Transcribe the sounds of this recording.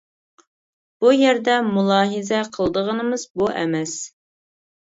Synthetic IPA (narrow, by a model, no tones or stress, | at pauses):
b̥ujɛɾd̪ɛmulˠɑːɦɨzɛqʰəlˠd̪əʁənəmɨzbuʔɛ̰mɛs